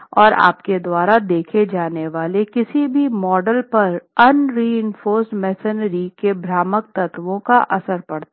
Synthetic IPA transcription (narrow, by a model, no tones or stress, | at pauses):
ɔːɾa̰ːpked̪waːɾad̪eːkʰed͡ʒaːneʋaːlekɪsibʱimɔːɖəlpɐɾɐnɾiːɪnfoːɾsmɛːsɪnɾikebɾaːmək̚t̪ɐt̪ʋõkaʔɐsəɾpɐɽt̪ː